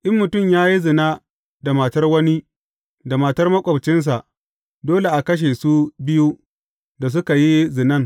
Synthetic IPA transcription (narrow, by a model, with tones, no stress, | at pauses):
ʔɪ˦mːʊ˨tʊ˦˨mjaː˦ji˦zɪ˨naː˦ | da˨ma˨tɐ˦rwɐ˦ni˦ | da˨maː˨tɐ˦rmɐ˦kʷʼɔ˨bt͡ʃɪ˦ns̬a˨ʔ | doː˦le˨ʔa˨kɐ˦ʃ̬eː˨su˦bɪ˦ju˦ | da˨s̬ʊ˦ka˨ji˦zɪ˨nɐ˦ŋ